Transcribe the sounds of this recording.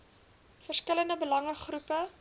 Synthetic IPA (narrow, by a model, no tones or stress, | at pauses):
fərskələndəbəlɐŋəχrupə